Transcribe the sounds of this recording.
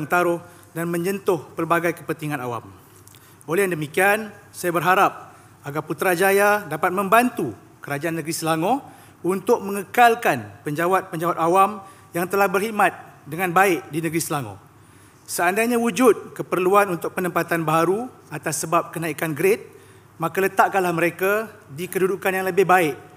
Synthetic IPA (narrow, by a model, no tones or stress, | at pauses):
ŋt̪aɾʊh | danmə̃ɲd͡ʒənt̪ʊhpərbaɡajkəpənt̪iŋãnawa̰m | olɛjaŋdəmikian | sajabərɦaɾap̚ | aɡarput̪ɾad͡ʒajadapat̪̚mə̃mbant̪u | kəɾad͡ʒaanːəɡɾisəlaŋɔ̃ | unt̪ʊk̚mə̃ŋəkalkanpəɲd͡ʒawat̪̚pəɲd͡ʒawat̪awam | jaŋt̪əlahbərhimat̪̚dəŋãnbaɪʔdinəɡɾisəlaŋɔ̰̃ | səandajɲãwud͡ʒʊt̪̚kəpərluanunt̪ʊk̚pənəmpat̪anbaɦaɾu | at̪asːəbap̚kənãikanɡɾet̪̚ | mãkalət̪aʔkanlahməɾekadikədudukanjaŋləbɪhbaɪʔ